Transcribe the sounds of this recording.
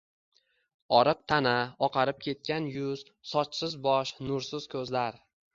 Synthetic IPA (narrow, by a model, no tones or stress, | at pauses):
ɒɾɨq̚t̪ʰanaɒqʰɑɾɪp̚kʲe̞t̪̚kʲanjʊz̥ | sɒt͡ʃsɪzbɒʃnʊɾsɪz̥kʰɵzlaɾ